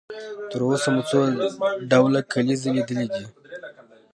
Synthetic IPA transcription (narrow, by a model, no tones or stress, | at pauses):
t̪əɾosamut͡soɖawlakʰalizelid̪əlid̪i